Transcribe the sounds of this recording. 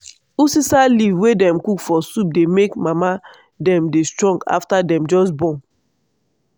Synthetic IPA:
usisalivwedɛ̃mkukfɔsup̚demekmama | dɛ̃mdestɹɔ̃ŋɡa̰ftadɛ̃md͡ʒɔs̬bɔ̃n

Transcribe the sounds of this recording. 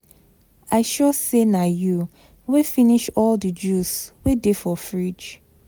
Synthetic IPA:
aɪʃɔsenaju | wefiniʃɔldəd͡ʒuswedefɔfɹid͡ʒ

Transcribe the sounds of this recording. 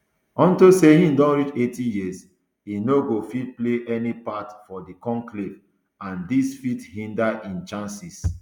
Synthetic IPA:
ɔ̃ntusehĩndɔ̃nɹit͡ʃetijis | hinoɡofit̚pleʔɛnipatfɔdikɔ̃nklev | ãndisfithĩndaʔĩnt͡ʃãnsis

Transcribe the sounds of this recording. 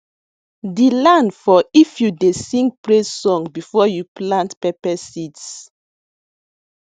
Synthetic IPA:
dilãndfɔifjudesĩŋɡpɹesɔ̃ŋbifɔjuplãntpɛpɛsits

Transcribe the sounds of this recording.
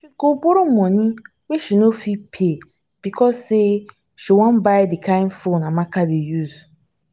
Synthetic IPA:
ʃiɡoboɾomɔ̃nĩ | weʃinofipʰe | b̥ikʰɔsse | ʃɛwɔ̃nbaɪdikʰãɪ̃nfõnãmãkʰadejuz

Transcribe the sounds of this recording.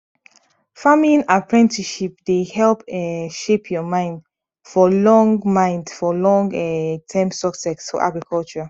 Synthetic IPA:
famĩnapɹɛ̃ntiʃipdehɛlpɛʃepʰjɔmãɪ̃nd | fɔlɔ̃ŋɡmãɪ̃ndfɔlɔ̃ŋɡɛtʰɛ̃msɔksɛksfɔ̰ʔa̰ɡɹikʰɔlt͡ʃɔɹa

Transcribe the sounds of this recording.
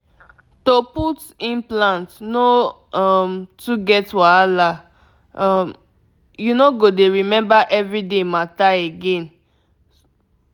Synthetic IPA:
toput | ĩnplãntno | amtuɡɛtwaala | m | junoɡodeɹimɛ̃mbaʔɛvɹidemataeɡẽn

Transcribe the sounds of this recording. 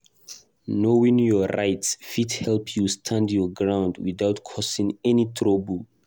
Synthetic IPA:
nowĩŋjɔɹa̰jtsfidhɛlpʰjustʰãndjɔɡɹãw̃ndwiðawtkʰɔsĩŋɛnitʰɹɔbəl

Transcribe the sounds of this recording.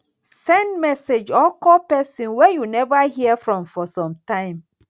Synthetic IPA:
sɛ̃ndmɛsed͡ʒɔkɔpɛsĩnwɛjunɛvahiəfɹɔ̃mfɔsɔ̃mtãɪ̃m

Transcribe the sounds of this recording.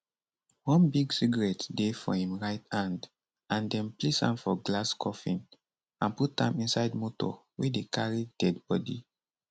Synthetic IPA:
wɔ̃nbiɡsiɡaɹɛtdefɔhĩmɹaɪtãnd | ãndɛ̃nplisã̰nfɔɡlaskʰɔfĩn | ãnput̚ãmĩnsaɪdmotɔ̰ | wedekʰaɹid̥ɛdbɔdḭ

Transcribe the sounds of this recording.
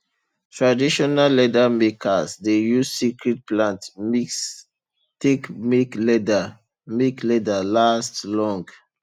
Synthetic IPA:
tɹadiʃɔnalːɛdamekʰasdejussikɹit̚plãntmis | tekmeklɛda | meklɛdalastlɔ̃ŋɡ

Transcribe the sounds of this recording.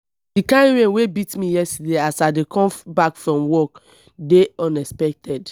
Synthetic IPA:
dikãnɹẽnwebitmijɛstedeasadekʰɔ̃mbakfɹɔ̃mwɔk | deɔ̃nɛspɛk̚tʰɛd

